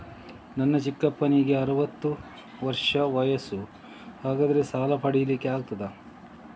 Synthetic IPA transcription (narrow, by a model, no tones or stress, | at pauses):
nɐnːɐt͡ʃikːɐpːɐniɡe̞ɐɾɐʋɐt̪ːu | ʋɐɾʂɐʋɐjɐsu | haːɡaːd̪ɐɾesaːlɐpʰɐɽijɐlikːeaːɡ̚t̪ɐd̪ɐ